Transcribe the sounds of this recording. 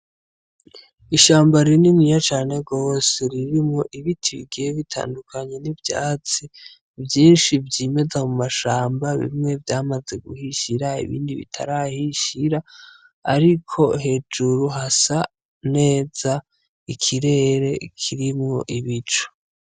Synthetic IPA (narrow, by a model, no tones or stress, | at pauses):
iʃaːmbaɾinimŋijat͡ʃaːne̞ɡo̞ːse̞ɾiɾimŋo̞ʔiβitʰiβḭɡijeβitʰa̰ːndukʰaɲe̞nivja̰ːt͡si | vjiːnʃivɟiːme̞zamumaʃaːmbaβḭmŋe̞vjaːmaze̞ɡuhiʃiɾaḭβḭːndiβḭtʰa̰ɾahiʃiɾa̰ː | ɾikʰo̞ɦe̞ːd͡ʒuɾuɦasa | ne̞ːz̥a | ikʰiɾe̞ːɾe̞kʰiɾimŋo̞̰ʔiβit͡ʃo̥